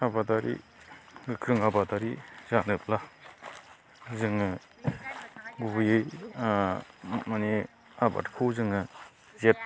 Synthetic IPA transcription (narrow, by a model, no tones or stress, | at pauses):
abadaɾḭ | ɡɯkʰɾɯŋabadaɾizanɯp̚la | zɯŋɯ | ɡubɯjɯj | mane | aba̰tkʰozɯŋɯ | zet̚